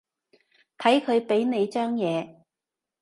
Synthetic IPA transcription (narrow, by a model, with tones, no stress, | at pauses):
t̪ʰɐ˨˥jkʰɵ˨˧ɥpe˨˥jne˨˧jt͡ʃœː˥ŋjɛː˨˧